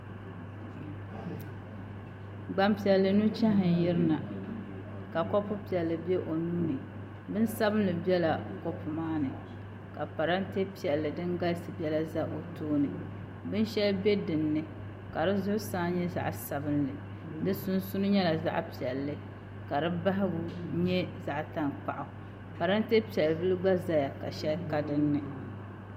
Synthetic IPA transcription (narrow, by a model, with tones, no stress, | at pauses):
ɡ͡ba˨mpi˨ɛ˨lːɨ˨nu˦t͡ʃɛ˦ɦɪ˨n˨jɪ˦ɾɨ˦na˨ | ka˨kɔ˦pʊ˦pi˨ɛ˨lːɨ˨bɛ˦ʔo˨nu˦nɨ˨ | bɨ˦nsa˦bɨ˦n˦lɨ˨bi˦ɛ˦la˨ko˦pʊ˨maː˦nɨ˨ | ka˨pa˨ɾa˦nte˦pi˨ɛ˨lːɨ˨dɨ˦ŋɡa˦lsɨ˨bɛ˦la˦za˦ʔo˨toː˦nɨ˨ | bɨ˦n˦ʃɛ˦lbe˦dɨ˨nːɨ˦ | ka˨ɾɨ˦zʊ˦ɾsaː˦ɲɛ˦za̰˨ʔsa˨bɨ˦nlɨ˨ | dɨ˦sʊ˦n˦sʊ˦nʊ˦ɲɛ˦la˨za̰˦ʔpi˨ɛ˨lːɨ˦ | ka˨ɾɨ˦ba˦ɦɪ˦bʊ˨ɲɛ˦za˨ʔta˦ŋk͡pa˨ʔʊ˨ | pa˨ɾa˦nte˦pi˨ɛ˨lbɨ˦lɨ˦ɡ͡ba˦za˦ja˨ka̰˨ʃɛ˦lka˦dɨ˦nːɨ˨